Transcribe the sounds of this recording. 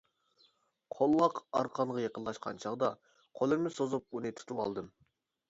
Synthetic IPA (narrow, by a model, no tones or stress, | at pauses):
qʰolˠːɑqɑɾqʰɑnʁɑjeqənlːˠɑʃqʰɑ̰nt͡ʃʰɑʁd̪ɑ | qʰolˠɨɾmɨsozup̚unɨt̪ʰu̥t̪ʰuwɑ̰lˠd̪ɨm